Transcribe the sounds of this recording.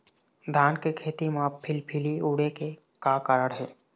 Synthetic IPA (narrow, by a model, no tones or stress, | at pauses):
d̪ʱaːnkekʰeːt̪imãpʰɪlpʰɪliuːɽeke | kakaɾəɽɦɛː